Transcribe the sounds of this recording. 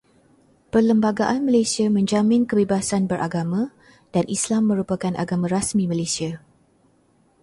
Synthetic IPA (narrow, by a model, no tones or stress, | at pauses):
pərləmbaɡaʔanmə̃lasiamə̃ɲd͡ʒamɪ̃nkəbebasanbəɾʔaɡamã | d̥anʔislamːə̃ɾupakanʔa̰ɡamãɾasmĩmãlesia